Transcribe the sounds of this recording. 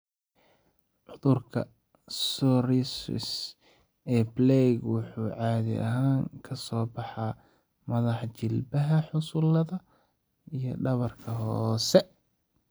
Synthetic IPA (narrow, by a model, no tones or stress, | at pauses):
ʕʊðʊrkʰɐ̰ | sɔɾisɪ̰s | ɛːblɛɡwʊħuːʕɑːðɪ̰ʔɐ̰ɦaːŋkʰɐsɔːbɑħɑː | mɐðɑħt͡ʃɪlbɐɦɐħʊsʊlɐðɐ | ʔijɔ̰ɖɐβɐrkʰɐɦɔːsɛ